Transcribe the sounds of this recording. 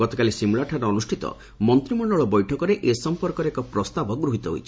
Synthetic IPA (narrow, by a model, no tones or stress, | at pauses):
ɔt̪ɔkalisimuɭaʈʰaɾɔɔnusʈʰit̪ɔ̰ | mɔnt̪ɾimɔɳɔɭɔbɔjʈʰɔkɔɾeʔesɔmpɔɾkɔɾekɔpɾɔst̪abɔɡɾuɦit̪ɔɦo̰jt͡ʃʰi̥